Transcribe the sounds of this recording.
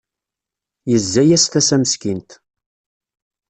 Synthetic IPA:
jəzːæjæst̪æsæməskint̪

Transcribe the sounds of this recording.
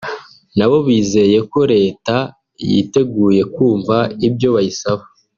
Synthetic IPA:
naβo̞βwiːze̞je̞ko̞ɾe̞ːta | jḭte̞ɡuːje̞kuːɱvaibjo̞βajisaβa

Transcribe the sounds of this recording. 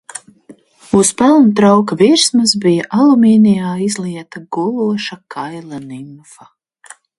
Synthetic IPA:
uspɛlˠnt̪ɾawkviɾsmasbijaʔalˠumiːnijaːizlˠiɛt̪aɡulˠuɔʃakʰajlˠanimfɐ

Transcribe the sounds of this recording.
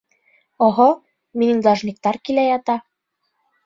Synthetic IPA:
oɦo | minind̪lˠɑʒnik̚t̪ɑrkilæjɑt̪ɑ

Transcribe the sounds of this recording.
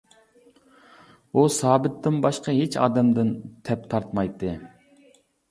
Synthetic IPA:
usɑːbɪt̪ːɪnbɑʃqɑɦet͡ʃʰɑ̰ːd̪ɛmd̪ɪnt̪ʰɛp̚t̪ʰɑɾt̪mɑjt̪ʰːɨ

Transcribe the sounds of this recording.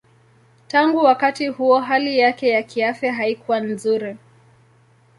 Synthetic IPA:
taŋɡuwakatihuɔɦalijakɛjakiafɛɦaikuwan̩zuɾi

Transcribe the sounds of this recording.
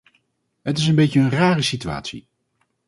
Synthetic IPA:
ɦətɪs̬ənbejcəənraːrəsitya̰ːtsḭ

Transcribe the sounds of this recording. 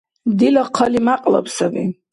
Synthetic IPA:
d̪ilaqʰalimaqʼla̰pʰsabḭ

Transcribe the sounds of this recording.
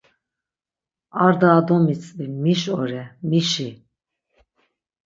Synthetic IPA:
aɾd̪aːd̪ɔmit͡sʼvimiʃɔɾɛmiʃi

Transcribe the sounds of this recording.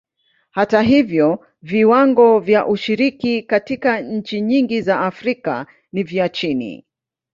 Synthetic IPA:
hataɦivjɔ | viwaŋɡɔvjaʔuʃiɾikikatikaɲ̩t͡ʃiɲiŋɡizaːfɾika̰ | niviat͡ʃinḭ

